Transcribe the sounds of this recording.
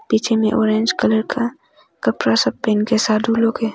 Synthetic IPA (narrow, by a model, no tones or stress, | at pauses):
piːt͡ʃʰemẽʔoːɾẽnd͡ʒkələɾkʰa | kəpɾasəb̚peːnkesaːd̪ʱuːlõke